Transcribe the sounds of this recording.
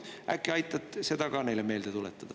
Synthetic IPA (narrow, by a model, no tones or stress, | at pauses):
ʔæ̰kːiɑjt̪ːˑɑt̪se̞d̪ɑkɑːne̞jlemeːld̪̥et̪ulet̪ːˑɑd̪̥ɑ